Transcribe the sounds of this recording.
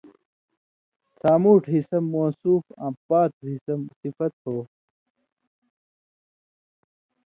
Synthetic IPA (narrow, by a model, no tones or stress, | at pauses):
saːmuːʈɦisɐmːoːsuːfã̰ːpaːt̪̚ɦisɐmsifɐt̪̚hoː